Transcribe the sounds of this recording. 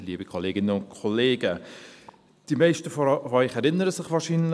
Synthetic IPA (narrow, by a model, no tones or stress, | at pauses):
liːəbikʰoleːɡɪnəʊntkʰɔleːɡə | d̥imɛɪʃtəfofœʏχɛɾɪnəɾəsɪχʋaːɾʃiːnl